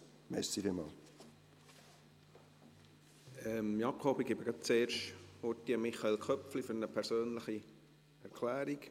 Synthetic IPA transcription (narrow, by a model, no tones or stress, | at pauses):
mɛ̰sifimɑ̰ːl | ɛmmiɑp̚koːbikebəɡɑt͡seːɾʃhotːiəmɪχɑelkʰχœpflifʏɾnəpʰɛɾsøːnləχi | ɛɾkʰlæːɾik